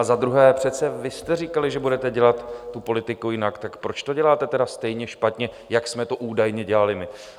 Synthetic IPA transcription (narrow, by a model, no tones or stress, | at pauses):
azad̪ɾuɦɛːpr̝̥ɛt̪t͡sɛvɪst̪ɛrikalɪʒɛbudɛt̪ɛɟɛlat̪ːupo̞lɪt̪ɪkujɪnakt̪akpɾo̞t͡ʃt̪o̞ɟɛlaːt̪ɛt̪ɛdast̪ɛjɲɛʃpat̪ɲɛ | jaksmɛt̪o̞ʔuːdajɲɛɟɛlalɪmɪ